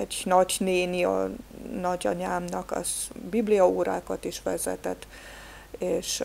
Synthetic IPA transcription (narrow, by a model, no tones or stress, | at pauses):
ɛɟnɒɟneːniɒ̰nɒɟɒɲaːmnɒkɒ̰z̥biblijɒoːɾaːkɒt̪iʃʋɛzɛ̰t̪ɛt̪ː | eːʃ